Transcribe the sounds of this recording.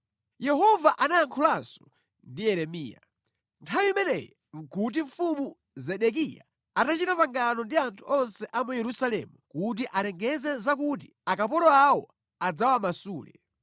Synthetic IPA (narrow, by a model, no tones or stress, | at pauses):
jɛɦɔvaʔanaaŋkʰulansɔ̥ | ndijɛɾɛmḭːja̰ | ntʰawiimɛnɛ̰jɛ | ŋ̩kʰut̬iɱfumu | zɛɗɛk̬ija̰ | atat͡ʃitapaŋɡanɔndiantʰuɔnsɛʔamujɛɾusalɛ̰mukut̬iʔalɛŋɡɛzɛzak̬ut̬i | akapɔɾɔawɔ | ad͡zawamasuːlɛ̰